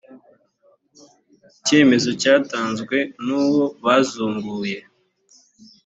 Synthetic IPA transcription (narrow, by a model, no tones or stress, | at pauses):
ce̞ːme̞zo̞caːtaːnzɡwe̞nuːwo̞βazuːŋɡuːje̞